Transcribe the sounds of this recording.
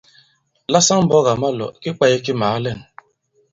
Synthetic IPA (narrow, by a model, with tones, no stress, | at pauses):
la˦sa˦m̩˦bɔ˦ɣa˨ma˦lɔ̰˨kɪ˦k͡pa˦je˦kɪ˦ma˨a˦le˦˨n̩˨